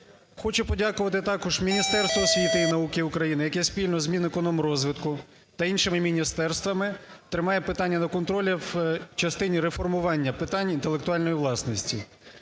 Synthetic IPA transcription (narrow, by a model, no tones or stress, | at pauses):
xɔt͡ʃʊpɔdʲakʊʋɐt̪ɪt̪ɑkɔʒmʲinʲist̪ɛrst̪ʋɔːsʲʋʲit̪ɪinɐukɪukɾɐjinɪjɐkɛspʲilʲnɔzmʲinekɔnɔmɾɔzʋɪt̪kʊ | t̪ɐinʃɪmɪmʲinʲist̪ɛrst̪ʋɐmɪt̪ɾɪmɑjɛpɪt̪ɑnʲːɐnɐkɔnt̪ɾɔlʲɛwt͡ʃɐst̪ɪnʲiɾefɔrmʊʋɑnʲːɐpɪt̪ɑnʲint̪elˠekt̪ʊɑlʲnɔjiʋlˠɑsnɔsʲtʲi